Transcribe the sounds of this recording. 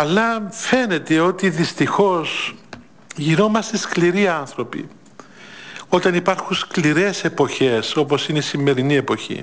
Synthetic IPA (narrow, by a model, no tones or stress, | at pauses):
ɐlːɐfe̞ne̞t̪e̞o̞t̪iðist̪ixo̞s | ʝiɾo̞mɐst̪eskliɾiɐnθɾo̞pḭ | o̞t̪ɐnipɐɾxunskliɾe̞se̞po̞çe̞so̞po̞sineisimːe̞ɾinie̞po̞çḭ